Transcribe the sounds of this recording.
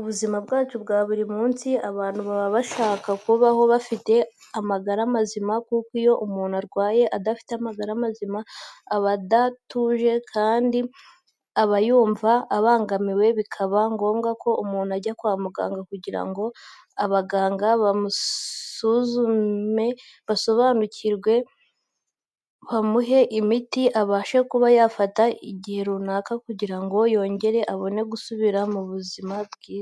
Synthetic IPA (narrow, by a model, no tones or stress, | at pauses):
uβuzimabɡaːt͡ʃubɡaːβuɾimuːnsiaβaːnhuβaβaβaʃaːkakuβaho̞βafite̞ | amaɡaɾamazimakukijo̞ʔumuːn̤̥uaɾɡwaːje̞ʔadafi̥te̞amaɡaɾamazimaːβadatuʒe̞kʰaːndi | aβajuːɱvaːβaːŋɡamiwe̞βikʰaβaŋɡo̞ːmɡakʰo̞ʔumuːn̥aɟakwaːmuɡa̰ːŋɡakuɟiɾa̰ŋɡo̞ | aβaɡaːŋɡaβamusuzue̞ | βaso̞βaːnucʰiɾɡwe̞ | βamuɦe̞ʔimitiʔaβaːʃekuβajafataiɟihe̞ɾunaːkakuɟiɾaŋɡo̞jo̞ːɲɟe̞ɾe̞ʔaβo̞ne̞ɡusuβiɾamuβuzimabɡiːz